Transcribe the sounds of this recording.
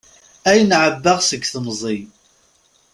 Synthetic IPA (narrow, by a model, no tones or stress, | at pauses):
æjnʕəbːaʁsəɡθmzˤi